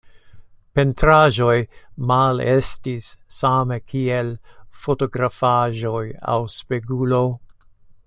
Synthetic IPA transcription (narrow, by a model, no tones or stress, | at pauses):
pentɾaʒo̞jmalestisːamekʰielfotoɡɾafaʒoja̰wspeɡulo